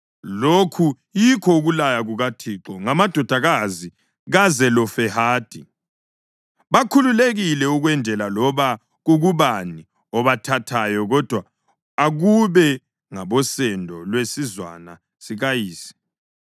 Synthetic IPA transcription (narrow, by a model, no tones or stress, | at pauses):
lokʰu | jikʰɔuɣulajaɣuɣatʰiǁɔŋamad̥ʱɔd̥ʱaɣazi | ɣazɛlɔfɛhaːd̥ʱi | βakʰululeɣilɛuɣwɛndʱɛlalɔβa | ɣuɣuβani | ɔβatʰatʰajɔɣɔd̥ʱwa | aɣuβɛ | ŋaβɔsɛndʱɔlwesizwa̰na | siɣajiːsi̥